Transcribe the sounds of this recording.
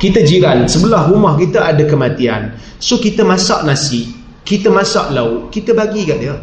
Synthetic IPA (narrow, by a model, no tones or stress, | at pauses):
kit̪əd͡ʒiɾansəbəlahrumahkit̪aʔadakəmat̪ia̰n | sokit̪əmãsa̰ʔnasɪʔ | kit̪əmãsa̰ʔlauʔkit̪əbaɡikaʔdiə